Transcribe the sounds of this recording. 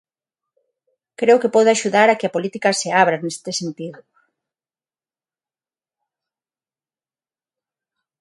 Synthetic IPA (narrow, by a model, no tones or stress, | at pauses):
kɾeʊkepɔðʊaʃuðaɾakɪapolit̪ikaseaβɾanest̪ɪsent̪iðʊ